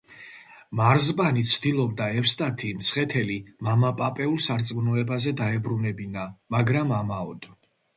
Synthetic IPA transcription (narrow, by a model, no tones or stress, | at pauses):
maɾzbanit̪sʰd̪ilˠɔb̚d̪aɛfst̪ʼat̪ʰimt̪sʰχɛt̪ʰɛlimamapʼapʼɛulˠsaɾt̪sʼmnɔɛbazɛd̪aɛbɾunɛbinamaɡɾamamaɔd̪̥